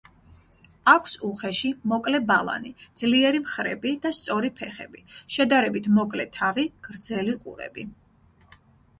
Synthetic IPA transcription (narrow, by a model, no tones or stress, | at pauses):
akʷʰsuχɛʃimɔkʼlɛbalˠa̰nid̪z̥liɛɾimχɾɛbid̪̥ast̪sʼɔɾipʰɛχɛbiʃɛd̪aɾɛbit̪ʰmɔkʼlɛt̪ʰaviɡ̥ɾd̪zɛliqʼṵɾɛ̰bi